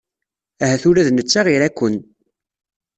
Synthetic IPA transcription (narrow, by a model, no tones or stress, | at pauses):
æhæθʊɾæðnət͡sːaʁiɾækʷːən